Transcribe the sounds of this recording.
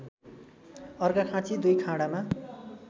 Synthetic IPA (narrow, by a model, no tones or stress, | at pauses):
ʌrɡakʰãt͡sʰid̪ujkʰãɽama